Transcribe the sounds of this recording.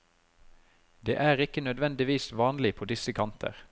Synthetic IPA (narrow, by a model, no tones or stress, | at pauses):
d̪ḛːʔæːʁɪkənœd̪ʋɛnd̪ɪʋiːsʋɑːnlɪpʰoːd̪ɪsəkʰɑnt̪ʰə̰ʁ